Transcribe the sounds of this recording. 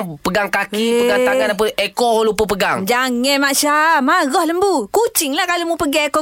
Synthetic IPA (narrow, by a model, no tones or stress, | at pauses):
pəɡaŋkakipəɡaŋt̪aŋanap̬ənekɔholupəpəɡaŋd͡ʒaŋɛnmaʔsamaɡɔhləmbukut͡ʃɪŋlahkalomupəɡɛekɔ